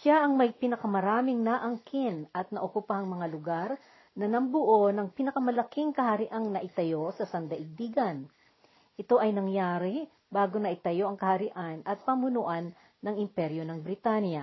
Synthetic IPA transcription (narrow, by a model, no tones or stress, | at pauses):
ʃaʔɐŋmɐjpɪnɐkɐmɐɾaːmɪŋnaʔɐŋkʰɪnɐt̪̚nɐʔokʊpahɐŋmɐŋalʊɡaɾ | nɐnɐmbʊʔo̞nɐŋpinɐkɐmɐlɐkiŋkɐhɐɾɪʔaŋnɐʔɪt̪ɐjo̞sɐsɐnd̪ɐʔɪɡ̚d̪iɡɐn | ʔɪt̪o̞ʔɐjnɐŋjaːɾɪ | baːɡonɐʔɪt̪ɐjo̞ʔɐŋkɐhɐɾɪʔanɐt̪̚pɐmʊnʊʔanː | ɐŋʔɪmpɛɾjo̞nɐŋbɾɪt̪anjɐ